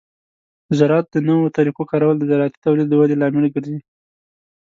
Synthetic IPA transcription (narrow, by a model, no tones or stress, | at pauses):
zaɾɑt̪̚d̪ənawot̪aɾiqokɑɾawald̪əzaɾɑt̪i̥t̪awlid̪̚ːəwalelɑmɪlɡəɾzi